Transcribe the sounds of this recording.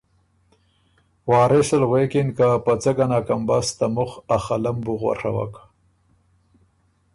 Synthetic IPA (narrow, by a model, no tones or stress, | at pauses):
wɑːɾesəlɣwekɪnkapat͡səɡanakambast̪amʊχaxalambuɣwa̰ʂa̰wa̰k